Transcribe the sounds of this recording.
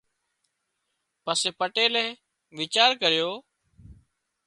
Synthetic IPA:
pəseːpəʈeːlẽː | ʋɪt͡ʃaːɾkəɾɪjoː

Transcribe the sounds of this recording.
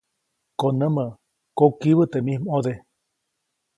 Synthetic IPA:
konəmə | kokiβət̪emihmod̪e

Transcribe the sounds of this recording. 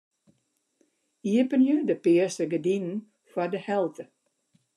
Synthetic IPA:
iəpənjədəpɪəsəɡədinn̩ | fwadəhɛlˠtʰə

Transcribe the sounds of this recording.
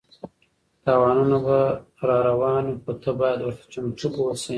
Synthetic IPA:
t̪ɑːwɑːnunaba | ɾɑɾawɑːnupət̪ʰəbɑjad̪wəɾt̪ḁt͡ʃamʈ͡ʂuɡosi

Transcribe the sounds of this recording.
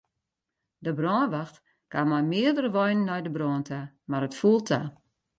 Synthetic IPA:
dəbrɔːnʋaxt | kʰamɔjmɪədərəʋɔjnənːɔjdəbrɔːntʰa | marətfulˠtʰa

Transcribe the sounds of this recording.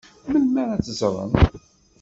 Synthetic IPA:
məlmæɾæt͡sːzɾˤə̰n

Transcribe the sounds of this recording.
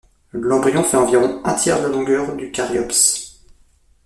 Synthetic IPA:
lɑ̃bʁijɔ̃fɛɑ̃viʁɔ̃ɛ̃t̪ʰjɛʁd̪əlɔ̃ɡœʁd̪ykaʁjɔps

